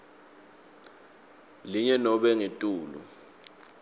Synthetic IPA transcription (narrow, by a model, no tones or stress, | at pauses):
liɲɛnɔɓɛŋetʼuːlṵ